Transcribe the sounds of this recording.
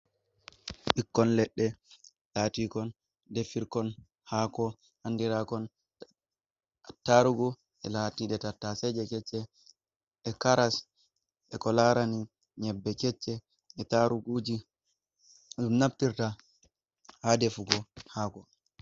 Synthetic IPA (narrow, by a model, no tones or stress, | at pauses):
ɓikːɔnlɛɗːɛ | tatikɔn | dɛfiɾkɔn | haːkɔ | handiɾakɔn | taɾuɡu | ʔɛ̰latiɗɛtatːasɛd͡ʒɛkɛt͡ʃːɛː | kaɾas | ɛkɔlaɾani | ɲɛbːɛkɛt͡ʃːɛ | ɛtaɾuɡud͡ʒi | umnaptiɾta | hadɛfuɡɔhaːkɔ